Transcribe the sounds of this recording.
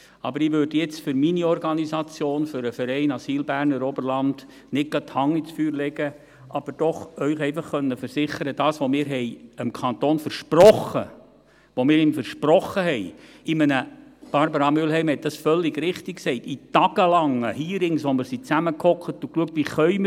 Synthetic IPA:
ɑ̰bəɾɪʋøɾd̥əjɛt͡stfʏɾminiɔɾɡɑnisɑt͡sjoːnfʏɾəfəɾɛɪnɑsiːlbæːɾnəɾɔbərlɑnd̥ | nɪk̚ɡ̥ɑthɑŋːit͡sfyːɾlɛɡə | ʔɑb̥əɾd̥ɔχœʏχɛɪfɑχːœnːəfəɾsɪχəɾədɑːsʋomɪːɾɦɛɪəmkʰɑnt̪oːnfəɾʃprɔχə̰ | ʋomɪːɾɪmfəɾʃpɾɔχəhɛɪ | ɪmənəb̥ɑɾbəɾɑmʏlɦɛɪmhɛt̚d̥ɑsfœlːɪɡɾɪχtɪkksɛɪtitɑɡ̥əlɑŋəhiːɾɪŋsʋomɪɾsit͡sæməkʰɔklətʊkluək̚tʋiχœʏmə

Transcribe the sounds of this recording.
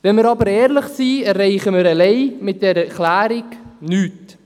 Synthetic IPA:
vɛnməɾɑbəɾɛːɾləχsiːɛrːɛɪχəməɾɛleɪmɪt̚d̥ɛɾɛklæːɾɪknyːt

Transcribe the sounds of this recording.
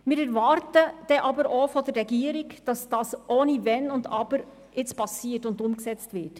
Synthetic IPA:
mɪːɾɛɾʋɑɾtəd̥ɛʔɑbəɾʔofɔdəɾːɛɡiːəɾɪkd̥ɑsd̥ɑːsʔoːnivɛnʊndɑ̰b̥əɾ | ɪt͡spʰɑsiːətʊndʊmksɛt͡stvɪt

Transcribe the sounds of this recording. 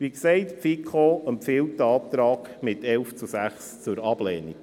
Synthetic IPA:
ʋiksɛɪtfikʰoəmpfɪltːəɑːp̚t̪ɾɑːɡ̥mɪtɛlft͡susæχst͡sʊɾɑb̥lɛːnḭ

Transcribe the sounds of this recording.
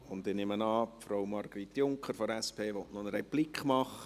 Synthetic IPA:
ʊndɪnɪmənɑːpfɾowmɑrɡ̥ɾit̪ːjʊŋkχəɾfɔɾɛspʰeːʋɔtnɔnəɾɛjb̥lɪkχmɑχə

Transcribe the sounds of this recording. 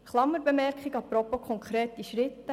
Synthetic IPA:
χlˠɑmːəɾbemɛrkχiɡɑpɾɔpːokʰɔŋkʰɾeːt̪ːiʃɾɪt̪ːə

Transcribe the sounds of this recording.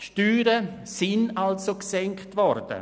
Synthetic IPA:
ʃtyːɾə | sinalsoksɛŋktvɔɾd̥ə̰

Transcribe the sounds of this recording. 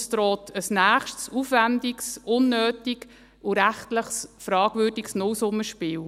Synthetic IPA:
st̪ɾɔːt̪ʰəsnæːχʃtsufʋændiksʊnːøːtik | ʊɾæχtləχsfɾɑːɡvøːdiksnɔwsʊmːəʃpɪːw

